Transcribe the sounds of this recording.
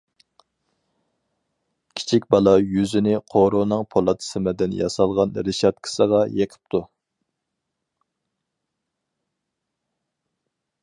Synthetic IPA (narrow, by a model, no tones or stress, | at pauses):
kʲʰi̥t͡ʃʰikʲbɑlˠɑjyzɪnɪqʰoɾonɨŋpʰolˠɑt̪ʰɨ̥sɨmɛd̪ɪnjɑ̰sɑlˠʁɑnɾɪʃɑt̪̚kʰə̥səʁɑjeqʰə̥p̚t̪ʰu